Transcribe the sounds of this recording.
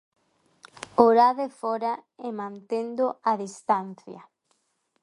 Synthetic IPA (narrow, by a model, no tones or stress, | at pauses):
oɾaðefɔɾaemãnt̪end̪oaðist̪an̟θjɐ̰